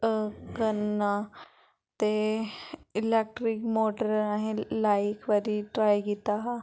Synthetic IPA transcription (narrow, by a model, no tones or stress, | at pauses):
kənːa | t̪e | ilek̚ʈɾikmoʈəɾãɦelajikʋəɾiʈɾajɡit̪aɦ